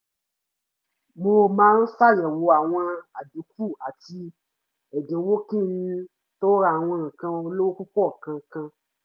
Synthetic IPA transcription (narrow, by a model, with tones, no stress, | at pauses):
mo˧mãː˦n̩˦fa˦˨jɛ˨wo˧a˨w̃ɔ̃˧a˨dũ˨˦k̚u˦˨a˨ti˧ | ɛ˨dẽ˨˦wo˦kĩ˦˨˦nĩ˧ | to˦ɾa˧˨w̃ɔ̃˧ŋ̩˨kã˧o˧˦lo˦wo˦ku˦kɔ˦˨kã˧˨kã˧